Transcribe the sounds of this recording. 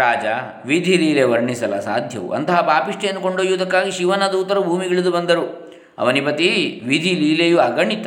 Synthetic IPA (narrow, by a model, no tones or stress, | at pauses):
ɾaːd͡ʒɐ | ʋid̪ʱiliːleʋɐɾɳisɐlɐ̰sa̰ːd̪ʱjɐ̰ʋṵʔɐ̰nt̪ɐɦɐbaːpiʂʈeend̪ukoɳɖoːjud̪ɐkːaːɡiʃiʋɐnɐd̪uːt̪ɐɾubʱuːmiɡɐɭid̪ubɐnd̪ɐɾu | ɐ̰ʋɐnipɐt̪iʋid̪ʱiliːlejuɐɡɐɳit̪ɐ